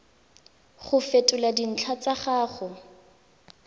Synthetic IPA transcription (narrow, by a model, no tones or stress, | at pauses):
χʊfetʼʊladin̩t͡ɬʰat͡saχaːχʊ